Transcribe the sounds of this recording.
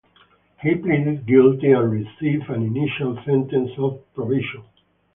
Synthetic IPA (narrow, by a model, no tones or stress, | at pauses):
hiplẽdɪzɡɪltiãnɹisivæ̃niniʃalsɛ̃ntɛ̃nsɔvpɹɔvɪʃɔ̃n